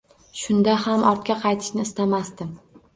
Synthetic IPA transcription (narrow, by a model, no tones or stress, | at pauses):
ʃʊnd̪ahamɒɾt̪̚kʲaqʰɑjt̪ʰɪ̥ʃnɪːst̪amast̪ɪm